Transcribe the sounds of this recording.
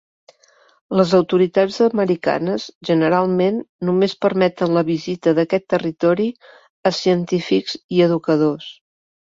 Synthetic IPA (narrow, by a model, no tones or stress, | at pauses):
ləzəwt̪uɾit̪ad͡zəməɾika̰nəzʒənəɾalˠmenːumespəɾmɛt̪ənləβizit̪əðəkɛt̪ːərit̪ɔɾi | əsiənt̪ifikz̥iəðukəðos